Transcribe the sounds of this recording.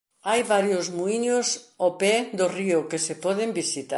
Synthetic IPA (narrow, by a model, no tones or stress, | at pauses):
ajβaɾjʊzmuiɲʊsopɛd̪ʊriʊkesepɔð̞ɪmbisit̪a